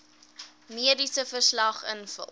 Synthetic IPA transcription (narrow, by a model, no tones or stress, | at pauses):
miədisəfərslɐχə̰nfə̰